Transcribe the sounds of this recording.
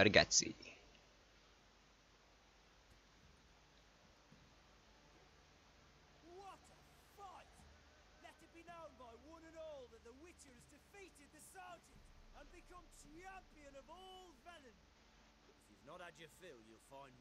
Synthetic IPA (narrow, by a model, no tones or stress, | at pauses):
əɾɡɛ̰tsḭ | wɒtə | faɪt | lɛtɨt̚b̥inõʊ̃nbaɪwʌ̃nə̃nɔːlˠðət̪̚ðəwɪt͡ʃə˞zdɪfiˑtɪd̪̚ðɨsɑɹd͡ʒɪ̃tə̃nbɨkʰʌ̃mtʰɹ̥iãmpiɨ̃nʌvɔlˠvɛlɪ̃n | ɪfjiznəɾəd͡ʒəfilˠjulˠfãɪ̃n